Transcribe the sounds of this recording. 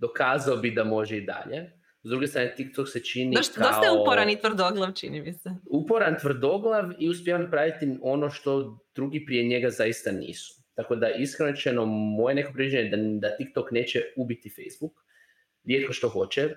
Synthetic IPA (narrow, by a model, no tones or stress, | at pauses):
d̪o̞kaːzaobid̪amo̞ʒeid̪a̰ʎe | zd̪ɾuɡest̪ɾaːnet̪ikt̪okset͡ʃinioʃkd̪oaupoɾanit̪ʋɾd̪oɡlˠaʋt͡ʃḭnimiseupo̞ɾant̪ʋr̩d̪o̞ɡlˠaʋiuspʲjeʋanapɾaʋit̪io̞no̞ʃt̪o̞d̪̥ɾuːɡipɾie̞ɲe̞ɡazajist̪anḭːsu̥t̪ako̞d̪aiskɾenoɾet͡ʃenomo̞jene̞kopɾiʋid͡ʒeɲed̪ad̪at̪ikt̪okne̞ːt͡ɕeubit̪ifejzbuk | ɾʲjet̪̚ko̞ʃt̪o̞xo̞t͡ʃɛ